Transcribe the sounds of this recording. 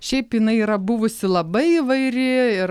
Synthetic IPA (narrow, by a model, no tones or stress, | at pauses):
ʃʲɛɪpjɪnɐɪiːɾɐbʊʋʊsʲɪlˠɐbɐɪiʋɐɪɾʲɪɪɾ